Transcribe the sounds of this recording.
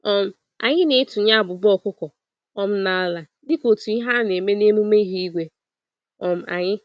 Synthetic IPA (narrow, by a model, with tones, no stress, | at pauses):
ɔ˦m̩˦ | a̰˨ɲɪ˦ne˨˦tu˨ɲa˦˨bʊ˨bɔ˦kʊ˦kɔ˨ | ɔ˦m̩˦na˦a˦la˨ | dɪ˦ko˨tu˨i˦ɦa˦ne˨me˦ne˦mu˦me˦ɦi˦i˦ɡʷe˦ | ɔ˨m̩˨ʔa̰˨ɲɪ˦